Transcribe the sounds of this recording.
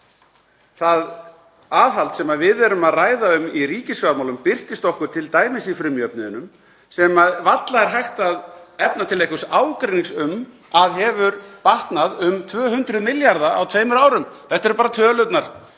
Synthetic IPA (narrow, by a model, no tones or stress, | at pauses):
θað | aːðɦalt̪sɛmaðvɪðɛɾʏmaðraːjðaʏmiriːcɪskamawlʏmpɪr̥t̪ɪst̪ɔhkʏɾ̥t̪ʰɪlt̪aːjmɪsifɾʏmjœpnʏɪnːʏm | sɛmaðvat̪laðɛɾ̥ɦajht̪aðɛpnat̪ʰɪlejhkʏsaːwkɾeniŋksʏm | aðɦɛvʏɾpaht̪naðʏmt̪ʰvœːhʏnt̪ɾʏmɪljaɾðaa̰wt̪ʰveːjmʏɾaːwɾʏmθɛht̪ːɛɾpaːɾat̪ʰœːlʏt̪naɾ̥